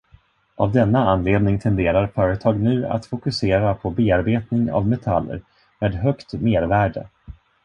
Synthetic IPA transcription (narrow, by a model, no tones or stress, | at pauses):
ʔa̰vd̪ɛnːaanːleːd̪nɪŋt̪ʰɛnd̪eːɾaɾfœːɾət̪ʰɑːɡnʉ̟ːa̰t̪fʊkɵseːɾapʰɔbeːaɾbeːt̪nɪŋa̰vmɛt̪ʰa̰lːə̰ɾ | meːd̪ɦœkt̪meːɾvæːɖə̰